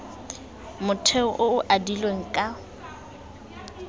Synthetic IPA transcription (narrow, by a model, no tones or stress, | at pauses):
mʊtʰeʊʔʊʊʔadilweŋ̩kʼa